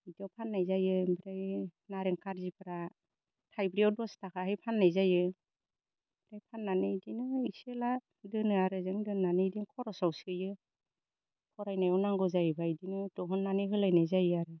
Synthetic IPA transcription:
idiawpʰanːajzajɯbiɾajnaɾeŋkʰaɾzipʰaɾa | tʰajbɾiawdɔstʰakʰaɦɯjpʰanːajzajɯ | b̥iɾajpʰanːanɯdinɯisela | dɯnɯaɾɯzɯŋdɯnːanɯidiŋkʰɔɾɔsawsɯjɯ | kʰɔɾajnajawnaŋɡɔzajbaidinɯdɔɦɯnːanɯɦɯlajnajzajɯaɾɯ

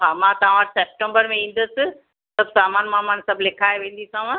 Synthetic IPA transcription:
ɦaːmãt̪ɐʋ̤ãseːp̚ʈə̃mbəɾmẽĩːn̆d̪əsɪ̆ | sɐbsaːmaːnmãmãːnsɐbʱlɪkʰaːjʋẽːn̆d̪it̪ʰaʋã

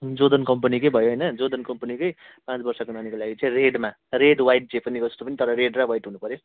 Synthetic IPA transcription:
d͡zod̪ʌnkʌmpʌnikʌjbʱʌjoɦʌjnʌd͡zod̪ʌnkʌmpʌnikʌj | pãt͡sbʌrsʌkonʌnikolaɡit͡sʌĩreɖma | reɽwajʈ̚d͡zepʌnid͡zʌst̪opʌnit̪ʌɾʌɾeɖrawajʈɦunupʌɾjo

